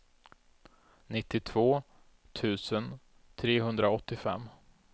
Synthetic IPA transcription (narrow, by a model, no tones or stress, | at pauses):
nɪt̪ːɪt̪ʰv̥oː | t̪ʰʉ̟ːsən | t̪ʰɾeːɦɵnd̪ɾaɔt̪ːɪfɛ̰mː